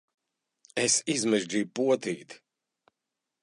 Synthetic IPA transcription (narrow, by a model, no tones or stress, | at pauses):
esizmɛʒd͡ʒiːjpuɔt̪iːt̪